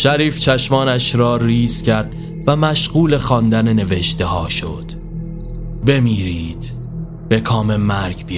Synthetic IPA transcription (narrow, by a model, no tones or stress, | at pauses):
ʃæɾiːft͡ʃʰæʃmɒːnæʃɾɒːɾiːz̥cʰæɾd̪̥ | væmæʃɢuːlexɒːnd̪æne̞ne̞veʃt̪e̞hɒːʃo̞d̪̥ | be̞miːɾiːd̪̥ | b̥e̞kʰɒːme̞mæɾɡbi